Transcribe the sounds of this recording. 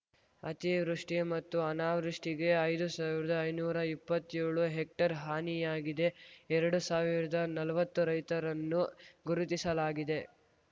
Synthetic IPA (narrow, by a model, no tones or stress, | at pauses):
ɐt̪iʋɾuʂʈimɐt̪ːuɐnaːʋɾuʂʈiɡe̞ɐjd̪usaːʋiɾɐd̪ɐːjnuːɾɐipːɐt̪ːjeːɭuɦek̚ʈɐɾɦaːnijaːɡid̪e̞ɛɾɐɽusaːʋiɾɐd̪ɐnɐlɐʋɐt̪ːuɾɐjt̪ɐɾɐnːuɡuɾut̪isɐlaːɡid̪e